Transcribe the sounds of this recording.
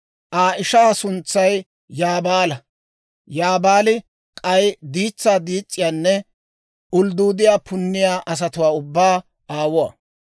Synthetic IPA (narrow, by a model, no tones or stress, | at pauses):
ʔaːʔɪʃaːsʊnt͡sːɐj | jaːbaːlɐ | jaːbaːlɪ | kʼɐjd̪iːt͡sːaːd̪iːt͡sʼːɪjaːnːɛ | ʔʊld̪uːd̪ɪjaːpʰʊnːɪjaːʔɐs̬ɐt̪ʊwaːʊbːaː | aːwɔwa̰ː